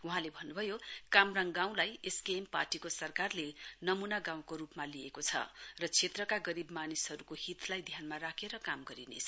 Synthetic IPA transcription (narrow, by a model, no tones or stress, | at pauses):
uɦãlebʱʌnːubʱʌjokamraŋɡaw̃lajeskeːmparʈikosʌrkarlenʌmunaɡãw̃koɾupmaliekot͡sʰʌ̰rʌt͡sʰet̪rʌkaɡʌɾibmanisɦʌɾukohit̪lajd̪ʱjanmaɾakʰeɾʌkamɡʌɾinḛsʰ